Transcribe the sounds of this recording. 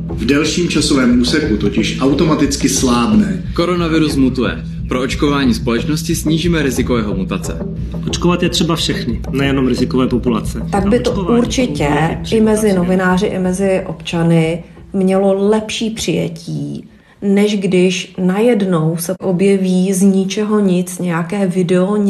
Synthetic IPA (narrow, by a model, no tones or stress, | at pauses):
vdɛlʃiːmt͡ʃasovɛːmʔuːsɛkut̪ocɪʃʔawt̪o̞mat̪ɪt͡skɪslaːbnɛː | ko̞ɾonavɪɾusmut̪ujɛ̰ | pɾoot͡ʃkovaːɲiːspo̞lɛt͡ʃnoscɪsɲiːʒiːmɛɾɪzɪkojɛɦomut̪at͡sɛ̰ | ʔot͡ʃkovat̪jɛt̪r̥ɛbafʃɛxnɪnɛjɛno̞mɾɪzɪkovɛːpopulat͡sɛt̪aɡ̚bɪt̪oʔuɾt͡ʃɪcɛɪmɛzɪno̞vɪnaːrɪʔɪ̰mɛzɪʔo̞pt͡ʃanɪ | mɲɛlo̞lɛpʃiːpr̥ɪjɛ̰cʰiː | nɛʒɡdɪʃnajɛdno̞wsɛʔo̞bjɛviːzɲɪt͡ʃɛɦo̞ɲɪt͡sɲɛjakɛːvɪdɛo